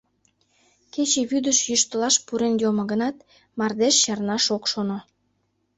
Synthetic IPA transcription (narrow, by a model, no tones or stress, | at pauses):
ket͡ɕeβyd̪əʃjyʃt̪əlɑʃpuɾenjomŏɡənɑt̪̚ | mɑrd̪eʃjɑrnɑʃokʃono